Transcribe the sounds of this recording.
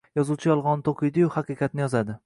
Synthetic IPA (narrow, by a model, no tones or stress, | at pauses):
jɒzuwt͡ʃʰɪjɒlˠʁɒnt̪ʰoqʰɨjd̪ɪjʊhɑqɨqʰɑt̪nɪjɒzad̪ɪ